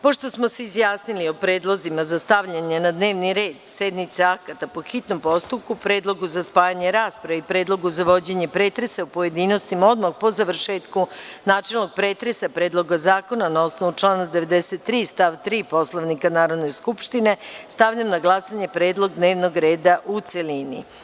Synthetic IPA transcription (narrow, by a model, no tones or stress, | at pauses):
po̞ʃt̪o̞smo̞seizjaːsniliopɾe̞ːd̪lˠo̞zimazast̪aʋʎaɲenad̪ne̞ːʋniɾe̞ːd̪sed̪nit̪seakat̪apo̞xit̪no̞mpo̞st̪up̚kupɾeːd̪lˠoɡuzaspaːjaɲe̞ɾaːspɾaʋeipɾeːd̪lˠo̞ɡuzaʋo̞d͡ʑe̞ɲepɾet̪ɾe̞saupo̞je̞d̪ino̞st̪imao̞d̪maxpo̞zaʋr̩ʃe̞ːt̪kunaːt͡ʃe̞lˠno̞ɡ̚pɾeːt̪ɾe̞sapɾeːd̪lˠo̞ɡazaːko̞nanao̞snoʋut͡ʂlˠaːnad̪e̞ʋed̪eset̪ːɾiːst̪aʋt̪ɾiːpo̞slˠoʋnikanaːɾo̞d̪ne̞skupʃt̪ine̞st̪aʋʎamnaɡlˠasaɲe̞pɾeːd̪lˠo̞ɡd̪neːʋno̞ɡɾe̞ːd̪aʔut̪selinḭ